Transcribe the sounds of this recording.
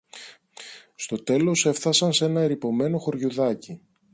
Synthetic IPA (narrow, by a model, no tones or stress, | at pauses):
st̪o̞t̪e̞lo̞se̞fθɐsɐnse̞nɐeɾipo̞me̞no̞xo̞ɾʝuðɐci